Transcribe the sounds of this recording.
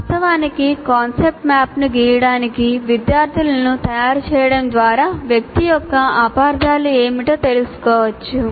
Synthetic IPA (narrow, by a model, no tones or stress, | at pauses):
ɐt̪ɐʋaːnikikaːnsep̚ʈmaːpnuɡiːjɐɽaːnikiʋid̪jaːɾt̪ʰilɐnut̪ɐjaːɾut͡ʃɛːjɐɽɐmd̪ʋaːɾaːʋjɐk̚t̪ijɔkːɐaːpaːɾd̪aːlueːmiʈoːt̪e̞lusu̥kɔːʋɐt͡ʃːu